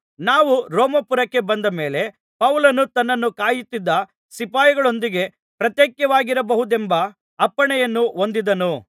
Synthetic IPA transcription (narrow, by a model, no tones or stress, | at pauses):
naːʋuɾoːmɐpuɾɐkːe̞bɐnd̪ɐme̞ːle̞ | pɐwulɐnut̪ɐnːɐnːukaːjut̪ːid̪ːɐ | sipaːjɐɡɐɭo̞nd̪iɡe̞ | pɾɐt̪jeːkjɐʋaːɡiɾɐbɐɦud̪embɐː | pːɐɳɛjɐnːuo̞nd̪id̪ɐnu